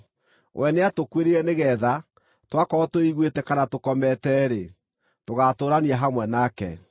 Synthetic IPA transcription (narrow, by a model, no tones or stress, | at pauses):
wʔɛneatokweɾeɾɛneɣɛða | twakɔɔtoiɣwetɛkanatokɔmɛtɛɾe | toɣatoːɾaniaɦamwɛnakɛ̰